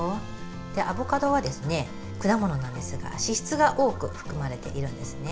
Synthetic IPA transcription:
o | d̪̥e̞ʔabo̞kad̪o̞βad̪e̞sɨne̞ | kɯ̟d̪amo̞no̞nãnd̪e̞sɨɡa̰ɕiɕi̥t͡sɨɡaʔo̞ːkɯ̟ɸɯ̟̥kɯ̟maɾe̞t̪e̞̰ʔiɾɯ̟̃nd̪e̞sɨ̥ne

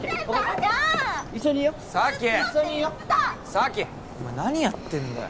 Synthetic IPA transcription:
keoke | isoɲijosakʲesoɲijo | sakʲe | imanaɲ̟ijat̪ːẽnd̪a̰

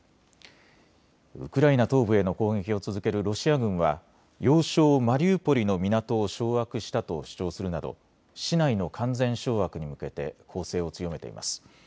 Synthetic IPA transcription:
ɯ̟̰kɯ̟ɾainat̪o̞ːbɯ̟e̞no̞ko̞ːɡe̞kʲio̞t͡sɨzɨke̞ɾɯ̟ɾo̞ɕiaɡɯ̟̃ɰ̃βa̰ | jo̞ːɕoːmaɾʲiɯːpo̞ɾʲino̞mʲinat̪o̞ːɕo̞ːakɯ̟ɕi̥t̪at̪o̞̰ɕi̥t͡ɕo̞ːsɨɾɯ̟nad̪o̞̰ | ɕinaino̞kʰãnd͡zẽ̞ɰ̃ɕo̞ːβakɯ̟ɲ̟imɯ̟ke̞t̪e̞̰kʰo̞ːse̞ːo̞t͡sɨjo̞me̞t̪e̞̰ḭma̰sɨ̥

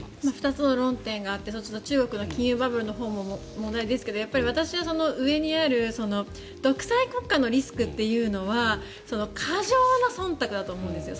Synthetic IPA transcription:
maɸɯ̟̥t̪at͡sɨno̞ɾõ̞nt̪ẽ̞ŋɡaːt̪ːe̞sot͡ɕi̥t̪ot͡ɕɨːɡo̞kɯ̟no̞kʲĩɰ̃jɯːbabɯ̟ɾɯno̞ɦo̞ːmo̞ | mõ̞nd̪aid̪esɨ̥ke̞d̪o̞japːaɾʲiβat̪aɕiβaso̞no̞ɯ̟e̞ɲ̟iaɾɯ̟so̞no̞ | d̪̥o̞kɯ̟̥saiko̞kːano̞ɾʲisɨ̥kɯ̟t̪ːe̞jɯ̟ːno̞βa | so̞no̞kʰaʑo̞ːnasõ̞nt̪akɯ̟d̪at̪oːmo̞ɯ̟̃nd̪esɨjo̞

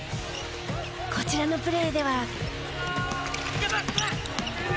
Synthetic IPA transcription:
kʰot͡ɕiɾanopɯ̟ɾeɯd̪e̞βa

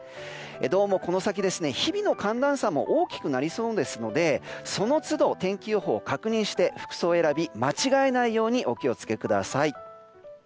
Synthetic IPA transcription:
ed̪o̞ːmo̞ko̞no̞sak̬ʲid̪e̞sɨne̞çibʲino̞kãnd̪ãɰ̃samo̞̰ʔoːkʲi̥kɯ̟naɾʲiso̞ːd̪e̞sɨno̞d̪e̞so̞no̞t͡sɨd̪o̞t̪ẽ̞ŋkʲɨoɦo̞ːkakɯ̟ɲ̟ĩɰ̃ɕi̥t̪e̞ɸɯ̟̥kɯ̟̥so̞ːe̞ɾabʲimat͡ɕiɡae̞naijo̞ːɲ̟iʔo̞kʲio̞t͡sɨ̥ke̞kɯ̟d̪a̰sai

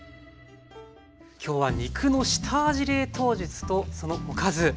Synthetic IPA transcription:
kʲo̞ːβaɲ̟ʲikʰɯ̟no̞ɕi̥t̪ʰaːʑiɾe̞ːt̪o̞ːʑɨt͡sɨ̥t̪o̞so̞no̞okazɨ

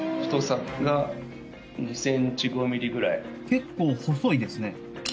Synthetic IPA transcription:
ɸɯ̥t̪o̞sakɡa | ɲisẽ̞ɲt͡ɕiɡo̞mʲiɾʲiɡɯ̟ɾai | ke̞kːo̞ːho̞so̞id̪e̞sɨne̞

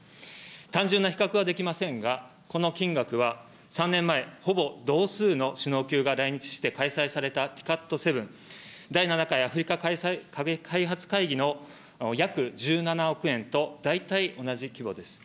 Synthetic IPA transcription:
t̪ãɲ̟d͡ʑɨ̃nːaçi̥kakɯβ̞ad̪e̞kʲimasẽ̞ŋɡa | ko̞no̞kʲĩŋɡakɯ̟βa | sãnːẽ̞mːae̞ho̞bo̞d̪o̞ːsɨːno̞ɕɨno̞ːkʲɨːɡaɾaiɲ̟it͡ɕi̥ɕi̥t̪e̞kaisaisaɾe̞t̪at̪ʲi̥kat̪ːo̞se̞bɯ̟̃n | d̪ainanakaiaɸɯ̟ɾʲikakasakakʰaiɦat͡sɨ̥kaiɡʲino̞ | jakɯ̟d͡ʑɨːnanao̞kɯ̟ẽ̞nt̪o̞d̪ait̪aio̞naʑikʲibo̞d̪e̞sɨ̥

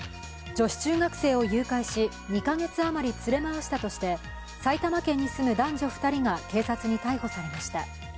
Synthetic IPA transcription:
d͡ʑo̞ɕi̥t͡ɕɨːɡakɯ̥se̞ːo̞jɯ̟ːkaiɕi | ɲ̟ikaŋe̞t͡sɨamaɾʲit͡sɨɾe̞maβaɕi̥t̪at̪o̞ɕi̥t̪e̞ | sait̪amakẽ̞ɲ̟ːisɨmɯ̟d̪ãɲ̟d͡ʑo̞ɸɯ̟̥t̪aɾʲiŋake̞ːsat͡sɨɲ̟it̪aiho̞saɾe̞maɕi̥t̪a̰

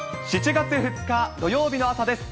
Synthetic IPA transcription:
ɕit͡ɕiɡat͡sɨɸɯ̟t͡sɨ̥kad̪o̞jo̞ːbʲino̞asad̪e̞sɨ̥

